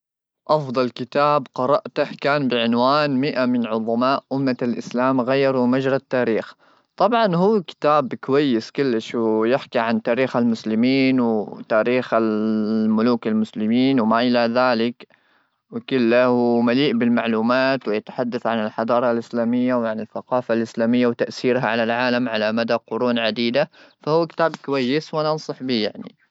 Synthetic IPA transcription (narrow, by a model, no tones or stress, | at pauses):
ʔɑfd̪ˤɑlkɪt̪aːbqɑɾˤɑʔt̪ahkaːnbɪʕɪnwaːnmɪʔamɪnʕʊðˤɑmaːʔʔʊmːalʔɪslaːmɣajːɑɾˤumad͡ʒɾˤɑt̪ːaːɾiːx | t̪ˤɑbʕɑnɦuːkɪ̥t̪aːbkʊwajːɪskʊlːɪʃwɪjɪħkiʕant̪aːɾiːxalmʊslɪmiːnwɪt̪aːɾiːxalmʊluːkalmʊslɪmiːnwɪmaʔɪlaðaːlɪk | wɪkʊlːahwmaliːʔbɪlmaʕluːmaːt̪wɪjɪt̪ḁħad̪ːaθʕanɪlħɑd̪ɑːɾˤɑlʔɪslaːmɪjːawʕanɪlθaqɑːfalʔɪslaːmɪjːawt̪aʔsiːɾɦaʕalalʕaːlamʕalamad̪aqʊɾuːnʕad̪iːd̪afahuːkɪ̥t̪aːbkwajːɪswanɑnsˤɨħbiːjaʕnḭ